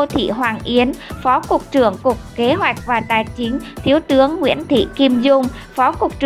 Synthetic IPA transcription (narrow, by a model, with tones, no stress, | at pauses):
o˧t̪ʰḭ˧˨ɦwaː˨˩nʔi˨˦ənfɔ˨˦kʊ˨˩k͡p̚t͡ɕɨ˧˩əŋkʊ˨˩k͡p̚ke˨˦ɦwa˨˩jk̟̚vaː˨˩t̪aː˨˩jt͡ɕi˨˦ŋ̟t̪ʰi˨˦əwt̪ɨ˨˦əŋːwḭ˧˥ənt̪ʰḭ˧˨ki˧mzʊ˧ŋ͡m | fɔ˨˦kʊ˨˩k͡p̚t͡ɕ